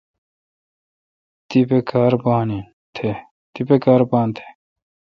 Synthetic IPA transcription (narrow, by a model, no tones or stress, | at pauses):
t̪ipekaːɾbaːni | t̪ʰe | t̪ipekaːɾbaːnt̪ʰe̥